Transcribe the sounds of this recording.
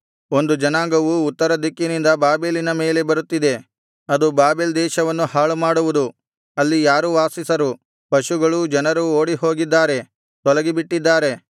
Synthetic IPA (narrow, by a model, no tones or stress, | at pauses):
o̞nd̪ud͡ʒɐnaːŋɡɐʋuːt̪ːɐɾɐd̪ikːinind̪ɐbaːbeːlinɐmeːle̞bɐɾut̪ːid̪e̞ | ɐd̪ubaːbeːld̪ɛːʃɐʋɐnːuhaːɭumaːɽuʋud̪u | ɐlːijaːɾuʋaːsisɐɾu | pɐʃuɡɐɭud͡ʒɐnɐɾuoːɽiɦo̞ːɡid̪ːaːɾe̞ | t̪ɔlɐɡibiʈːid̪ːaːɾe̞